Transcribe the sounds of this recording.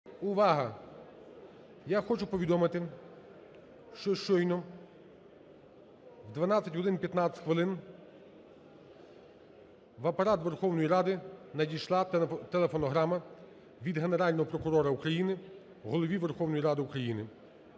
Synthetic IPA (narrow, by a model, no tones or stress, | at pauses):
ʊʋɑɦɐ | jaxɔt͡ʃʊpɔʋʲid̪ɔmɪt̪ɪ | ʃt͡ʃɔʃt͡ʃɔjnɔ | wd̪ʋɐnɑt͡sʲːɐtʲɦɔld̪ɪnpʲjɐt̪nat͡sʲtʲxʋɪlˠɪn | ʋɐpɐɾɑt̪ʋerxɔwnɔjiɾɑd̪ɪnɐdʲijʃlˠɑt̪elˠefɔnɔɦɾɑmɐ | ʋʲid̪ɦe̞neɾɑlʲnɔɦɔpɾɔkʊɾɔɾɐukɾɐjinɪ | wɦɔlˠɔʋʲiʋerxɔwnɔjiɾɑd̪ɪukɾɐjinɪ